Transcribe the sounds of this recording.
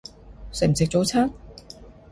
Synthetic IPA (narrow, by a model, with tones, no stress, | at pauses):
sɪ˨m̩˨˩sɪ˨k̚t͡so˨˧wt͡sʰaː˥ŋ